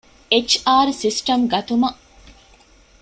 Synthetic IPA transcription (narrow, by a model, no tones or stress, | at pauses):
et͡ʃaːɾsisʈɐmɡɐt̪umɐ